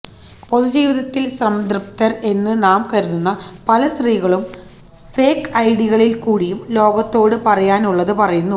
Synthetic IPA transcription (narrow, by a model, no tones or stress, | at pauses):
po̞sid͡ʑiːʋiðɐt̪ːilsrɐmd̪rɨpt̪ɐre̞nːɨnaːmkɐɾuðunːɐpɐlɐsriːɣɐɭum | feːkɐjɽiɣɐɭilkuːɽijumlo̞ːɡɐt̪ːo̞ːɽɨpɐrɐjaːnuɭːɐðɨpɐrɐjunːu